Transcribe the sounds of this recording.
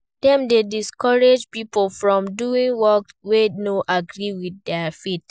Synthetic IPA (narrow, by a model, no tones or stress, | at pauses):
d̥ɛ̃mdediskɔɹed͡ʒpipofɹɔ̃mduĩŋwɔkwenoʔaɡɹiwiθdɛfet